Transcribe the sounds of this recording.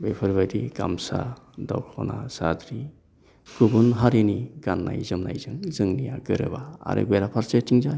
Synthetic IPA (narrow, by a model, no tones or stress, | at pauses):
bepʰɯɾbadiɡamsa̰ | dawkʰɔnasad̪ɾi | kubunɦaɾeniɡ̥anːa̰jzɯmnajzɯŋzɯŋnijaɡɯɾɯ̰ba̰ːɾʔɯ̰beɾapʰaɾt͡ʃetiŋza